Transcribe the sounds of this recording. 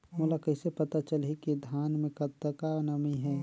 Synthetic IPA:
muːlakɐɪsepɐt̪at͡ʃəlɦikid̪ʱaːnmẽkɐt̪ːəkanɐmiɦɛː

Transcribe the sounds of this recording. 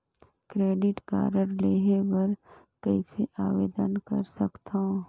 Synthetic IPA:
kɾeːɖɪʈka̰ːɾəɾleːɦebɐɾ | kɛiseʔaːʋeːd̪ənkɐ̰ɾsɐkt̪ã

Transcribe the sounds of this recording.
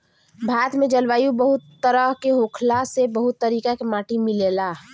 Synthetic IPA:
bʱaːt̪mẽd͡ʒəlʋaːjũbəɦʊt̪ːəɾəɦkeɦoːkʰlasebəɦʊt̪ːəɾiːkakemaːʈimɪleːlaː

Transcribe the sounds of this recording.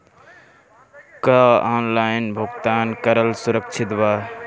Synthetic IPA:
kəaːnlaːjnbʱʊɡt̪aːnkəɾəlsuɾəkt͡ʃʰɪt̪baː

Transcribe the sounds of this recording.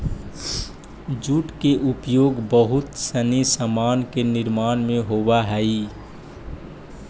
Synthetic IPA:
d͡ʒuʈkeʔupjoːɡbəɦut̪sənisəmaːnkeniɾmaːnmẽɦobaɦəi

